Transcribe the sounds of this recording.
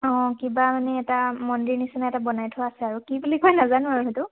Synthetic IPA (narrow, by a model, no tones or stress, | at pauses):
ɔ̃kibamanɛːtamɔndiɹnisinaɛtabɔnajtʰʊaasɛaɹukibulikojnazanuaɹuɦetʊ